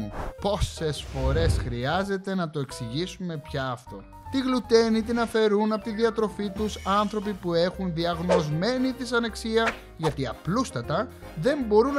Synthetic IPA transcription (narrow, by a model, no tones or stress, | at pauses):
upo̞se̞sfo̞ɾe̞sxɾiɐze̞t̪e̞nɐt̪o̞e̞ksiʝisume̞pçɐːft̪o̞̰ | t̪iɣlut̪e̞nit̪̬inɐfe̞ɾunɐpo̞t̪iðiɐt̪ɾo̞fit̪usɐnθɾo̞pipue̞xunðiɐɣno̞zme̞nit̪isɐne̞ksiɐ | ʝɐt̪iɐplust̪ɐt̪ɐ | ðe̞mbo̞ɾun